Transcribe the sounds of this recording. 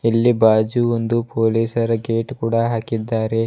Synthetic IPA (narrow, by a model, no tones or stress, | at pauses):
ilːibaːd͡ʒuond̪upoːliːsɐɾɐɡe̞ːʈkuːɽɐɦaːkid̪ːaːɾe̞